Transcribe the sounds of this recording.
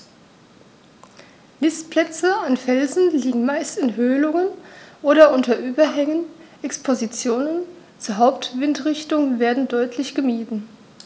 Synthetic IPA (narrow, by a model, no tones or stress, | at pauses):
nɪstplɛt͡səanfɛlzn̩liːɡŋ̩maɪstɪnɦøːlʊŋənʔoːɾɐʔʊntɐʔyːbɐɦɛŋənʔɛkspʰozit͡sjoːnən | t͡suːɐɦaʊptv̥ɪntʁɪçtʊŋveːɐdn̩dɔʏtʰlɪçɡ̥əmiːdn̩